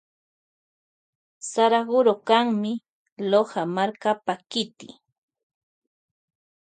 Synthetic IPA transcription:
saɾaɢʊɾokaŋmɪ | lohamaɾkapakɪt̪ɪ̰

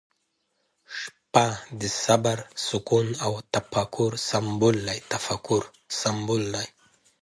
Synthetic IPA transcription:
ʂpad̪ɪsabaɾsʊkunawt̪afakuɾsambulːajt̪afakʊɾ | sambulːaj

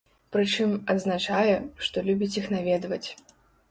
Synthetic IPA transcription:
pɾɨt͡ʂɨmɐd̪znat͡ʂajɛʂt̪ɔlʲubʲit͡sʲixnavʲɛd̪vɐt͡sʲ

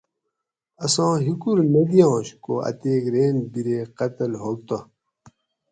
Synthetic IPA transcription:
ɐsõːɦikuɾnɐd̪ijõːɕkoɐ̰t̪eːkɾeːnbiɾeːqɐt̪ɐlɦolt̪o

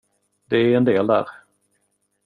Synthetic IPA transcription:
d̪ɛːɾɛnd̪eːld̪æ̰ːɾ

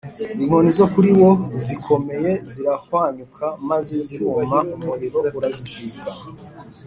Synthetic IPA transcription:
imo̞nizokuɾiwo̞zikʰo̞me̞je̞ziɾahwaɲukʰamazeziɾumaummuɾiɾo̞uɾazitwiːkʰa

